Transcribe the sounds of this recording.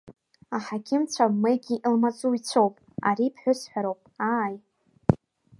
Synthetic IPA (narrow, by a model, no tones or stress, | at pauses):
aħakʲʰɪmt͡ɕʷʰamejɡʲiʔlmat͡sʼuit͡sʷʰowpʼ | a̰ɾipʰħʷᶣʊsħʷᶣaɾowpʼaj